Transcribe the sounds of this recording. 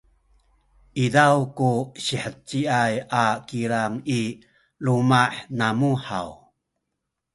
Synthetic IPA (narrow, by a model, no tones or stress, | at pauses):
ʔidawkuɕiħət͡ɕːiajakiɾaŋi | lumaħnamuħa̰w